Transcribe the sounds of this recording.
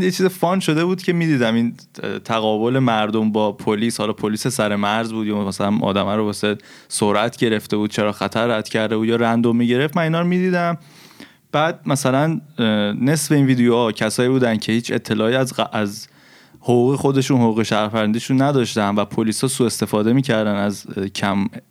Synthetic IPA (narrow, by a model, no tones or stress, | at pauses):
jet͡ʃʰiːzefɒnʃo̞d̪e̞buːd̪̥cʰe̞miːd̪iːd̪æmin | t̪ʰæɣɒːbo̞lemæɾd̪o̞mbɒːpʰoliːshɒlɒːpʰoliːsesæɾe̞mæɾzbuːd̪jɒːmæsælænʔɒ̰ːd̪æmæɾobɒːse̞ | soɾʔæt̪ʰɟe̞ɾe̞ft̪e̞buːd̪̥̚t͡ʃʰe̞ɾɒːxæt̪ʰæɾːæd̪̥cʰæɾd̪euːjɒːɾænd̪omːiɟe̞ɾe̞ft̪mæniːnɒːɾmid̪iːd̪æm | b̥æːd̪̚mæsælæn | ne̞sbe̞iːnviːd̪ejohɒcʰæsɒːiːbuːd̪æncʰe̞hiːt͡ʃʰe̞̰t̪ʰːe̞lɒːiæzʔæz | hoɣuːɣexo̞d̪e̞ʃunhoɣuːɣeʃæɾpæɾænd̪iʃunːæd̪ɒːʃt̪ænvæpʰoliːshɒːsuːe̞st̪e̞fɒːd̪e̞miːcʰæɾd̪ænæzcʰæm